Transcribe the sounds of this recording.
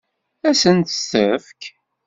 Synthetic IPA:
æsənt̪ə̥səfk

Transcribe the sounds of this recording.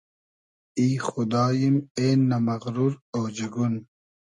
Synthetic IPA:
iːxʊd̪ɑːjimeːnːɐmɐɣɾuɾowd͡ʑiɡun

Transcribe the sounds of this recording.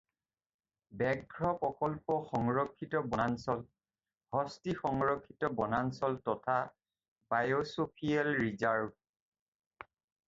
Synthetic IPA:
bɛɡʱɹɔpɔkɔlpɔxɔŋɹɔkʰːitɔbɔnansɔl | hɔstixɔŋɹɔkʰːitɔbɔnansɔltɔtʰa | bajosopʰialɹizaɹb̚

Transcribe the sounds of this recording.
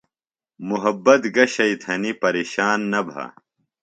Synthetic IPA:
muɦɐbːɐt̪ɡɐɕɐit̪ʰɐnipɐɾeːɕaːnːɐbʱa̰

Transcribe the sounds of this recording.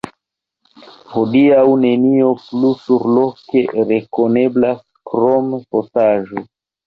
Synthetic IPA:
hodiawne̞nio̞plusuɾlo̞ke̞ɾe̞kone̞blas | kɾomfosaʒo

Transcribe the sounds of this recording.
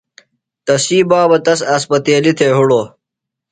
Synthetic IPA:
t̪ɐsiːbaːbɐt̪ɐsɐspɐt̪eːlit̪ʰeːɦuɽoː

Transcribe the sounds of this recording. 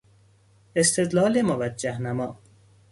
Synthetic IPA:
est̪ed̪lɑːlemovæd͡ʒæhnamɒː

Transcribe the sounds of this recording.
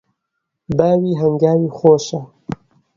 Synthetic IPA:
baːwiːɦəŋɡaːwiːxoːʃa

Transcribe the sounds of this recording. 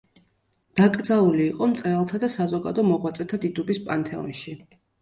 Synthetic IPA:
d̪̥akʼɾd̪zalˠuliːqʼɔmt̪sʼɾɛlˠt̪ʰad̪asazɔɡa̰d̪ɔmɔʁwat̪sʼɛt̪ʰad̪id̪ubispʼant̪ʰɛɔ̰nʃi

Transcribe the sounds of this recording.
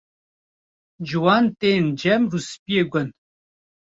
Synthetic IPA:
d͡ʒuwaːnt̪eːnd͡ʒɛmɾuspijeɡən

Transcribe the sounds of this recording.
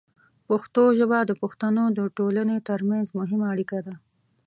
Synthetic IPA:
paxt̪oʒəbad̪əpʊxt̪anod̪əʈolanet̪əɾmanzmʊɦɪmaːɽikad̪a

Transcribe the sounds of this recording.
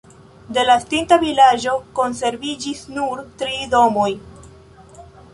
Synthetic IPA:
de̞lastintavilad͡ʒo̞ko̞nse̞ɾvid͡ʒisnuɾtɾido̞moj

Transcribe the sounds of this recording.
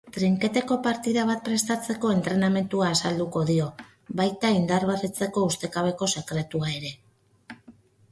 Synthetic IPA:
t̪ɾiŋke̞t̪e̞ko̞paɾt̪iðaβ̞at̪̚pɾe̞st̪at͡se̞ko̞e̞nt̪ɾe̞name̞nt̪uaːsald̪uko̞ðio̞ | βajt̪aind̪arβeret͡se̞ko̞ust̪e̞kaβe̞ko̞se̞kɾe̞t̪uae̞ɾe̞

